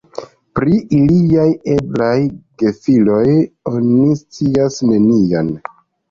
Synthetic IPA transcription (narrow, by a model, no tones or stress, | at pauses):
pɾiiliaje̞blajɡe̞filo̞jo̞nist͡siasne̞nian